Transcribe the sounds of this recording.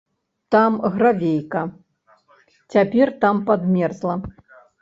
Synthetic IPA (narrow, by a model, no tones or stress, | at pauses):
t̪amɣɾavʲejkɐ | t͡sʲapʲɛrt̪ampad̪mʲɛrzlˠɐ